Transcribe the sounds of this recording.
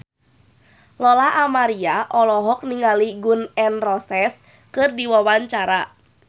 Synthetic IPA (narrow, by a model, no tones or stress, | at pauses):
lɔlaɦʔamaɾiaʔɔlɔɦɔk̚niŋaliɡunɛnrɔsɛs | kɨrdiwawaɲt͡ʃaɾa